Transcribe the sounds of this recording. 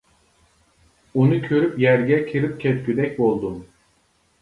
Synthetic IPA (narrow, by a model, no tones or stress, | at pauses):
unucʰøɾypjæɾɟɛcʰiɾɯp̚cʲʰɛt̪kʲyd̪ɛcʲbolˠd̪um